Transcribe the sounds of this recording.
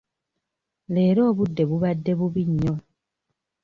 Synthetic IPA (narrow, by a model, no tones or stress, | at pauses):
le̞ːɾo̞ːβudːe̞βuβadːe̞βuβiɲːo